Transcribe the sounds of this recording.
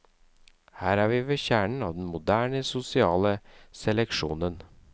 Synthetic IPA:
hæːɾæːʋiːʋɛçæːɳɳ̩ɑːʋd̪n̩mʊd̪æːɳəsʊsɪɑːləsɛlɛkʃṵːnən

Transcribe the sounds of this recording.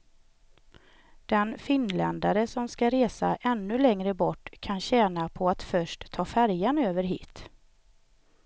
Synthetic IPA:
d̪̥ɛnfɪnlɛnd̪aɾəsɔmskaɾeːsaʔɛnːɵlɛŋɾəbɔʈːkʰanɕɛːnapʰɔat̪fœʂʈt̪ʰːɑːfæɾjanøːvəɾɦḭːt̪

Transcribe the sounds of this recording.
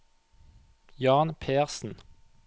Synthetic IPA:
jɑːnpʰeːʁsn̩

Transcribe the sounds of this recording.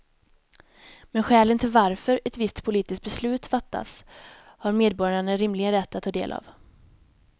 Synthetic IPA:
mɛnɧɛːlənt̪ʰɪlvaɾfœɾɛt̪vɪst̪pʰʊliːt̪ɪsk̚t̪̚bɛslʉ̟ːt̪fat̪ːa̰shaɾmeːd̪̚bɔɾjaɳəɾɪmlɪɡənɾɛt̪ʰːat̪ʰːɑːd̪ḛːlʔa̰v

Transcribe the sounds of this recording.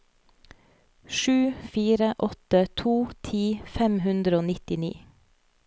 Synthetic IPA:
ʃʉːfiːɾəʔɔt̪ət̪ʰuːt̪ʰiːfɛmhʉnd̪ɾəoːnɪt̪ɪnḭː

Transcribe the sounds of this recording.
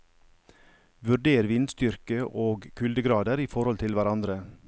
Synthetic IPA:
ʋʉɖeːɾʋɪnd̪st̪ʏɾkəʔoːɡkʰʉld̪əɡɾɑːd̪əɾiːfɔɾhɔlt̪ʰɪlʋæɾɑnd̪ɾə

